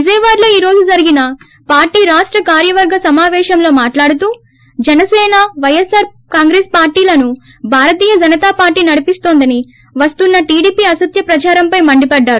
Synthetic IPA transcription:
id͡ʒɐjʋaːɾlo̞ːiːɾo̞ːd͡ʒud͡ʒɐɾiɡinɐ | paːɾʈiːɾaːʂʈɾɐkaːɾjɐʋɐɾɡɐsɐmaːʋɛːʃɐmlo̞ːmaːʈlaːɽut̪uː | d͡ʒɛnɐsɛːnɐʋɐjɐsaːɾkaːŋɡɾeːspaːɾʈiːlɐnu | bʱaːɾɐt̪̬iːjɐd͡ʒɐnɐt̪aːpaːɾʈiːnɐɽipist̪oːnd̪ɐni | ʋɐst̪unːɐʈiːɽiːpiɐsɐt̪jɐpɾɐt͡ʃaːɾɐmpɐjmɐɳɖipɐɖːaːɾu

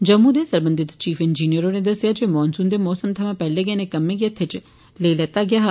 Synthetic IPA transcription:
d͡ʒəmːuːd̪eːsəɾbənd̪ɪt̪t͡ʃiːfʰɪnd͡ʒiːnijəɾoːneːd̪əsːɪjaːd͡ʒeːmɔːnsʊnd̪eːmɔːsəmt̪ʰəʋãːpɛːleːɡɛːneːkəmːẽːkiːət̪ʰːet͡ʃ | leːlɛːt̪aːɡɪjaːɦa

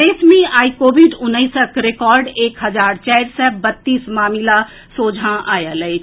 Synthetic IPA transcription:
eːsmĩaːikoːʋiɖʊnːəɪsəkɾɪkɔːɾɖeːkɦɐd͡ʒaːɾt͡ʃɛɪɾsɛbət̪ːiːsmaːmɪla | soːd͡ʒʱãʔaːjaləi

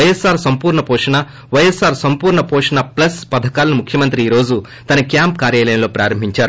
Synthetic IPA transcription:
ɐjesːaːɾsɐmpuːɾɳɐpɔːʂɐɳa | ʋɐjɐsaːɾsɐmpuːɾɳɐpɔːʂɐɳaplɐspɐd̪ʱɐkaːlɐnimukʰjɐmɐnt̪ɾiiːɾo̞ːd͡ʒu | t̪ɐnɐkjaːmpkaːɾjaːlɐjɐnlo̞ːpɾaːɾɐmbʱiɲt͡ʃaːɾu

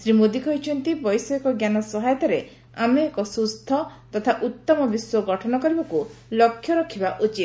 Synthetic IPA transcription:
sɾimod̪ikɔɦit͡ʃʰɔnt̪ibɔjsɔekɔɡjanɔsɔɦajɔt̪ɔɾe | ameːkɔsust̪ʰɔt̪ɔt̪ʰaʔut̪ːɔmɔbiswɔɡɔʈʰɔnɔkɔɾibakulɔkʰjɔɾɔkʰibaʔut͡ʃit̪̚

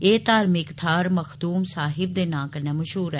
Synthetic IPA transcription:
eːt̪aːɾmɪkt̪ʰaːɾməxʰd̪uːmsaːɦɪbd̪eːnãːkəɾneːməʃɦuːɾɛː

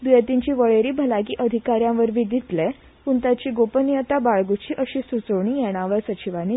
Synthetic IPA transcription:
b̪iət̪iɲt͡ɕiːʋəɭeɾiːbʱəlaɡiːʔəd̪ʱikaɾjãʋəɾʋid̪ʱit̪lɛ | puɳt̪at͡ɕiːɡopənjət̪abaɭɡut͡ɕiːʔəɕisut͡səʋɳ̃iːjɛɽ̃aʋəɾsət͡ɕiʋani

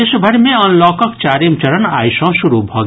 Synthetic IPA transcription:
eʃubʱɐɾmẽɔnlɔːkɔkt͡ʃaːɾimt͡ʃɐɾɔna̰jsɔ̃ʃuɾubʱɔːɡ

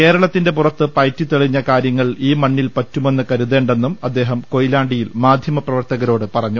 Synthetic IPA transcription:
ke̞ːɾɐɭɐt̪ːinde̞purɐt̪ːɨpɐjtːit̪eɭiɲːɐkaːɾjɐŋːɐɭiːmɐɳːilpɐtːume̞nːɨkɐɾuðe̞ːɳɖe̞nːumɐd̪ːe̞ːɦɐmko̞jilaːɳɖijilmaːd̪ʱjɐmɐprɐʋɐrt̪ɐɣɐɾo̞ːɽɨpɐrɐɲːu

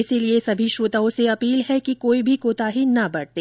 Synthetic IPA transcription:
ɪsiliesɐbʱiʃoːt̪aõseɐpiːlɦɛkikoːibʱikoːt̪aɦinɐbɐɽt̪eː

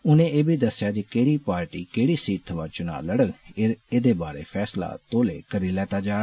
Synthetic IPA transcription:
ʊnẽːeːbʱiːd̪əsːjaːd͡ʒekeːɽiːpaːɾʈiːkeːɽiːsiːt̪ʰəʋaːt͡ʃʊna̰ːləɽəɡeɾeːd̪eːbaːɾḛːpʰɛːsla̰ːt̪oːlḛːkəɾiːlɛːt̪aːd͡ʒaːɾ

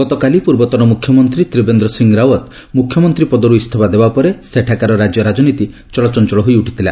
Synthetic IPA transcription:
ɡɔt̪ɔkalipuɾbɔt̪ɔɾɔmukʰjɔmɔnt̪ɾit̪ɾibend̪ɾɔsiŋɾawɔt̪ | mukʰjɔmɔnt̪ɾipɔd̪ɔɾuist̪ʰɔbad̪ebapɔɾeseʈʰakaɾɔɾad͡ʒjɔɾad͡ʒɔnit̪i | t͡ʃɔɭɔt͡ʃɔnt͡ʃɔɭɔɦojuʈʰi̥t̪ʰila

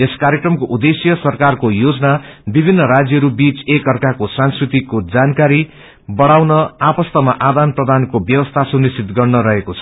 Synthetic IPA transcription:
eskaɾjekrʌmkoʔud̪esjʌsʌrkarkojod͡zʌnabibʱinːʌɾad͡zjʌɾubit͡sekʌrkakosãnskrit̪ikod͡zankaɾi | bʌɽawnʌapʌst̪ʌmaʔad̪anprʌd̪ʱankobjʌwʌst̪ʰasunist͡sit̪ɡʌrnʌɾʌɦekot͡sʰʌ̥

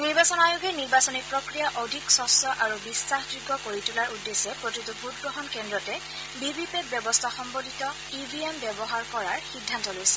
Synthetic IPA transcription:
niɹbasɔnajoɡɛniɹbasɔnipɹokɹijaʔɔdʱiksɔsɔʔaɹubisaxd͡ʒuɡʱːɔkoɹitulaɹudːesɛpɹotitubʱut̚ɡɹɔɦɔnkɛndɹɔtɛ | bibipet̚bjɔbɔstʰaxɔmbodʱitɔ | ibiembɛbɔɦaɹkɔɹaɹxidʱːantɔlojsɛ̥

